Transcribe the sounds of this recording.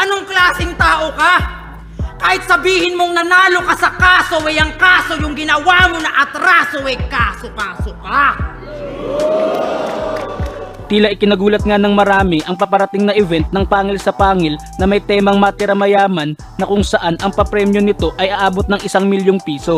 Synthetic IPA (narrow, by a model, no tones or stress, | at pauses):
ʔɐnoŋklaːsɪŋt̪aːʔokɐ | kaːhɪt̪̚sɐbiːhɪnmoŋnɐnaːlokɐsɐkaːsoʔɛjɐŋkaːso̞jʊŋɡɪnɐwaːmonɐʔɐt̪ɾaːsowɛkaːsokaːsokɐ | t̪iːlɐʔɪkɪnɐɡuːlɐt̪̚ŋanɐŋmɐɾaːmɪʔɐŋpɐpɐɾɐt̪ɪŋnɐʔɛvɛnt̪̚nɐŋpaːŋɪlsɐpaːŋɪl | nɐmɐjt̪ɛːmɐŋmɐt̪ɪɾɐmɐjaːmɐnːɐkʊŋsɐʔanʔɐŋpɐpɾɛːmjo̞nɪt̪o̞ʔɐjʔɐʔaːbo̞t̪̚nɐŋʔɪsaŋmɪljoŋpiːso̞